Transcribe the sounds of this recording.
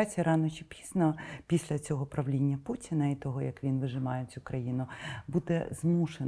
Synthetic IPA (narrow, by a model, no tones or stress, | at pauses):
t͡sʲijɐɾɑnɔt͡ʃipʲi̥znɐpʲisʲlʲɐt͡sʲɔɦɔpɾɐʋlʲinʲːɐputʲinɐit̪ɔɦɔjɐkʋʲinʋɪʒɪmɑjet͡sʲukɾɐjinʊbud̪ɛ̰zmuʃe